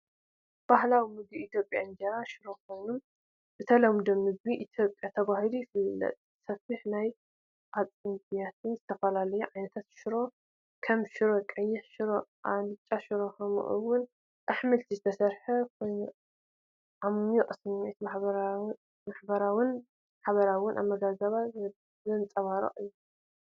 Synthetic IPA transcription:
b̥ahlawimɨɡiit̪jo̞pʼjaɨnd͡ʒɐɾaʃɨɾo̞kʰo̞jnum | bɨt̪ʰɐlɐmd̪ɐmɨɡ̚biʔit̪ʰjo̞pʼjat̪ʰɐβahilujɪfɨlːɐ̰t̪ʼ | sɐfɨħnaj | ʔat͡sʼɨndjat̪ʰɨnzɨt̪ʰɐfɐlalɐjuʕajnɐt̪ʰat̪ʃɪɾo̞ | kʰɐmʃɪɾo̞kʼɐjːɪħʃɾoʔalɨt͡ʃʼːaʃɨɾoxɐmṵʔṵwʊn | ʔaħmɨlt̪ʰizɨt̪ʰɐsɐɾħɐkʰoj | ʔamjɛʔʼsɨnt̪a | maħbɐɾawɨn | aħaβɐɾawʊnʔa̰βmɐɡazɐβaz | zɨnt͡sʼɐβaɾo̰ʔɨjːu

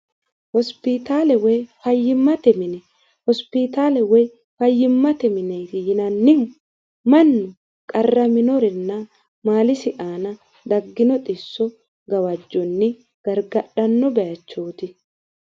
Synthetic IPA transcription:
hɔspɪt̪aːlɛwɛjfɐjːɪmːɐt̪ɛmɪnɛ | hɔspɪt̪aːlɛwɛj | fɐjːɪmːɐt̪ɛmɪnɛjt̪ɪjɪnɐnːɪm | mɐnːʊ | kʼɐrːɐmɪnɔɾɛnːɐ | maːlɪsɪʔaːnɐ | d̪ɐɡːɪnɔt̪ʼɪsːɔ | ɡɐwɐd͡ʒːɔnːɪ | ɡ̥ɐɾɡɐɗɐnːɔbɛjɐt͡ʃːoːt̪ɪ

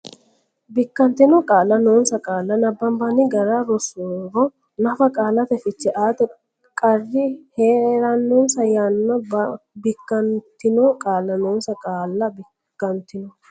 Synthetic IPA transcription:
bɪkːɐnt̪ɪnɔkʼaːlːɐnoːnsɐkʼaːlːɐnɐbːɐmbɐnɪɡɐɾaɾɔsoːɾɔ | nɐfɐkʼaːlɐt̪ɛfɪt͡ʃːɛʔaːt̪ɔ | kʼɐrːɪheːɾɐnːoːnsɐjɐnːɔbbɪkːɐnt̪ːɪnokʼaːlːɐnoːnsɐkʼaːlːɐbɪ | kːɐnt̪ɪnɔ

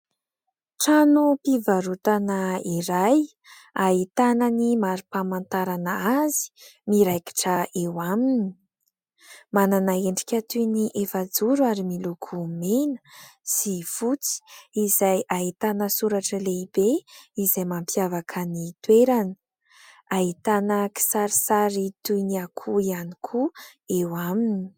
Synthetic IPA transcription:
ʈ͡ʂanupivaɾut̪anaiɾaj | ait̪ananimaɾupamant̪aɾanaazi̥miɾajki̥ʈ͡ʂəewamini | mananaeɳɖ͡ʐi̥kʲat̪uniʔefad͡zuɾuaɾimilukʰumenə̥sifut͡si̥izajʔait̪anəsuɾaʈ͡ʂəleib̥eizajmampjavakʰənit̪weɾanə̥ | ait̪anəki̥saɾisaɾit̪uniakʰuianikʰuewamini̥

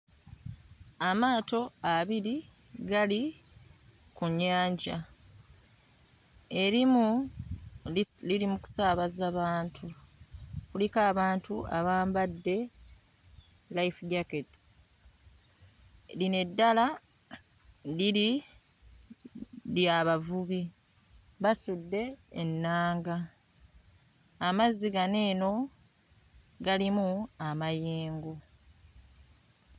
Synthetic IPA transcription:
amaːto̞aβiɾi | ɡali | kuɲːaːɲɟa | e̞ɾimu | lilimuku̥saːβazaβaːntʰu | kulikaːβaːntʰuaβaːmbadːe̞ | laifɟakets | line̞dːala | dili | ljaβavuβi | βasudːe̞ːnːaːŋɡa | mazːiɡane̞ːno̞ | ɡalimuamajiːŋɡu

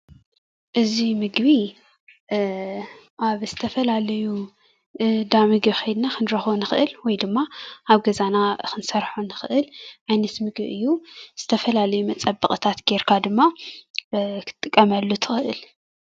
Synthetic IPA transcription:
ʔɨzimɨɡβi | ʔaβz̥ɨt̪ʰɐfɐlalɐju | d̪amɨɡβixɐjd̪nakʰɨnɾɐxonɨxɨʔɨlwɔjd̪ɨmːaʔaβɡɐzanakʰɨnsɐɾħonɨxɨʔɨlʔajnɐt̪mɨɡβiʔɨjːuz̥ɨt̪ʰɐfɐlalɐjumɐt͡sʼɐbːɨχʼɨt̪ʰat̪ɡeɾkʰad̪ɨmːa | kʰɨ̥t̪ʼːɨkʼːɐmɐlːut̪ʰɨ̥xɨʔɨl

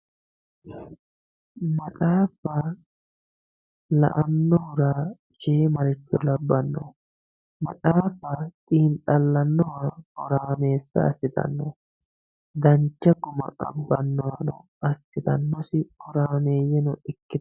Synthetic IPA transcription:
mɐtʼaːfɐ | lɐ̰ʔɐnːɔhʊɾaː | d͡ʒeːmɐɾɪt͡ʃːɔlɐbːɐnːɔ̰ | mɐtʼaːfɐt̪ʼiːnt̪ʼɐlːɐnːɔwahɔɾaːme̞ːsːɐ̰ɐ̰sːɪt̪ɐ̰nːɔ | d̪ɐnt͡ʃːɐɡʊmɐ̰ʔɐ̰bːɐnːɔwɐnɔ̰ | ɐsːɪt̪ɐnːɔsɪkɔɾaːme̞ːjɛnɔɪkːɪ

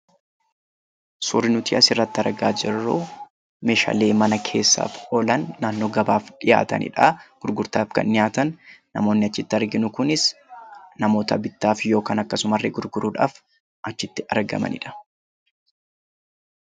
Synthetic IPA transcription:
sʊɾɪnʊt̪iːʔɐsɪrːɐt̪ːɪɐɾɡa̰ːd͡ʒɪrːu | meːʃa̰ːle̞ːmɐnɐkʰe̞ːsːa̰ːfɔlɐnːaːnːo̞ːɡɐbaːfᶑɪja̰ːt̪ɐ̰nɪ̰ᶑɐɡ̥ʊɾɡʊɾt̪aːfkɐ̰nnɪjaːt̪ɐnː | ɐ̰mo̞ːnːɪɐt͡ʃːɪt̪ːɪɐɾɡɪnʊkʊnɪs | nɐmo̞ːt̪ɐ̰bɪt̪ːaːfjo̞ːkaːnɐkːɐsʊmɐrːɛ̰ɡʊɾɡʊɾuːᶑa̰ːf | ʔɐt͡ʃːɪt̪ːɪʔɐɾɡɐ̰mɐ̰nɪ̰ᶑɐ̥

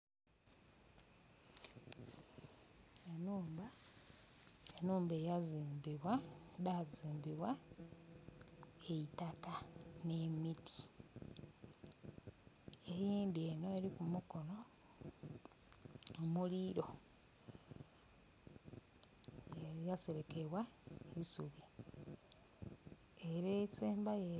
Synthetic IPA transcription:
enuːmba | enuːmbejaziːmbiβwadaziːmbiβwa | eitakane̞miti̥ | ejiːndie̞no̞eɾikumuko̞no̞ | omuliɾo̞ | jaseɾekeβwaisuβi | e̞ɾeseːmbaje

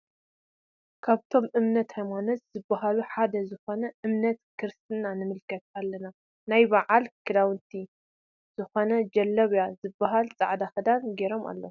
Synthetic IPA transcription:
kʰaβt̪ʰo̞mɨmnɐt̪hajmanɐsz̥ɨbːaɦaluħad̪ɐzɨxo̞nɐʔɨmnɐt̪kʰɨɾst̪ʰɨnanɨmɨlkʰɐt̪̚alːɐna | najbaʕalkʰɨd̪awɨnt̪ʰi | z̥ɨxo̞nɐd͡ʒɐlːɐβjazɨbːaɦalt͡sʼaʕd̪axɨd̪anɡeɾo̞mʔa̰lːo

